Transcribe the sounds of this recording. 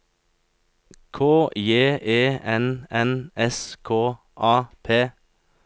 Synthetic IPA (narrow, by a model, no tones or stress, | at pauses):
kʰoːjeːʔeːɛnɛnɛskʰoː | ʔɑːpʰeː